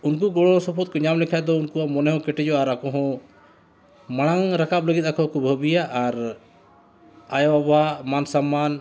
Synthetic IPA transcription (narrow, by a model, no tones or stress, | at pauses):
unk̬uɡɔɽɔsɔpʰɔt̪̚kɔɲamlɛkʰaɛd̪ɔunkuamɔnɛɦɔ̃kɛʈɛd͡ʒɔaɾakɔ̃ɦɔ̃ | maɽ̃aŋɾakap̚ləɡit̪̚akɔ̃ɦɔkɔbʱəbijaʔːɾ | ajɔabamansamːan